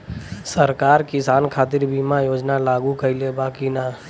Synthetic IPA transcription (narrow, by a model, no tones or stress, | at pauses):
səɾkaːɾkɪsaːnkʰaːt̪̬ɪɾbiːmajoːd͡ʒnalaːɡukəilebaːkina